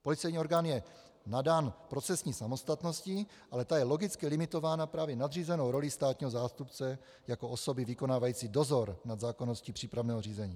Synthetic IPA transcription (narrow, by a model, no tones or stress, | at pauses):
po̞lɪt͡sɛjɲiːo̞ɾɡaːnjɛ | nadaːnpɾo̞t͡sɛsɲiːsamo̞st̪at̪no̞scɪ | ʔalɛt̪ajɛlo̞ɡɪt͡skɪlɪmɪt̪o̞vaːnapɾaːvjɛnad̪riːzɛno̞wɾo̞lɪst̪aːt̪ɲiːɦo̞zaːst̪upt͡sɛ | jakoʔoso̞bɪvɪko̞naːvajiːt͡sido̞zo̞ɾnad̪zaːko̞no̞scipr̝̥iːpɾavnɛːɦoriːzɛɲiː